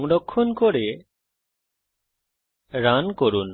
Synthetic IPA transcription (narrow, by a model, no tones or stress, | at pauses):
ŋɖɔkʰːɔnkɔɾe | ɾankɔɾun